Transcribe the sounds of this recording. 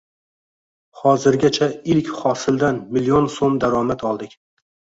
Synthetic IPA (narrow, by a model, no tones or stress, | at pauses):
hɒzɪɾɡʲat͡ʃʰaɪlkʲχɒsɪld̪anmɪlijonsomd̪aɾɒmat̪ʰɒlˠd̪ɪkʲ